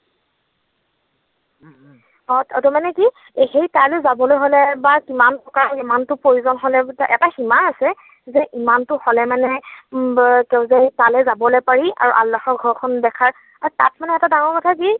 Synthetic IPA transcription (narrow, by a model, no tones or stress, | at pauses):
ɔtatɔmanɛki | xejtalezabɔlojɦolɛbakimanpɹɔkaɹimantʊpɹoɹuzɔnɦɔlɛtaʔɛ̰taximaasɛ | zɛʔimantʊxɔlɛmanɛ | kɛwzɛtalɛzabɔlopaɹia̰ɹuʔalːaxɔɹɡʱɔɹkʰɔndɛkʰaɹ | aɹuta̰t̚manɛɛtadaŋɔɹkɔtʰaki